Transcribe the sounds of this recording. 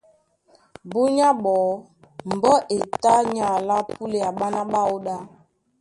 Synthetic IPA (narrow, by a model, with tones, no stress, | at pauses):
bu˦ɲa˦ɓɔ˨ | m̩˨bɔ˦ʔe˨ta˦ɲa˨la˦pu˦le˨a˨ɓa˦na˦ɓa˦o˦ɗa˦